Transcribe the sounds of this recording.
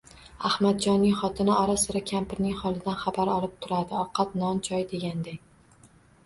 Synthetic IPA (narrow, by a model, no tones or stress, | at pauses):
ahmad̪̚d͡ʒɒnːɪŋχɒt̪ʰɪnɪɒɾasɪɾakʲʰampʰɪɾnɪŋχɒlˠɪd̪anχabaɾɒlˠɪp̚t̪ʰʊɾad̪ɪɒqʰɑt̪nɒnt͡ʃʰɒjd̪e̞ɡʲand̪ekʲ